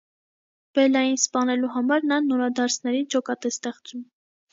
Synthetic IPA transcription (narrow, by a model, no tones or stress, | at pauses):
b̥ɛlɑjinspɑnɛluɦɑmɑɾnɑnɔɾɑd̪ɑɾt͡sʰnɛɾid͡ʒɔkɑt̪ɛst̪ɛχt͡sum